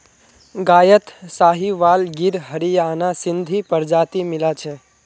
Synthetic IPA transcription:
ɡaːjət̪saːɦiʋaːlɡiɾɦəɾijaːnasɪnd̪ʱipəɾd͡ʒaːt̪imɪlat͡ʃʰe

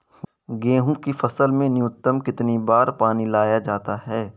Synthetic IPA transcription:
ɡẽːɦũkifɐsəlmẽnɪjʊt̪ːəmkɪt̪nibaːɾpaːnilaːjad͡ʒaːt̪aɦɛː

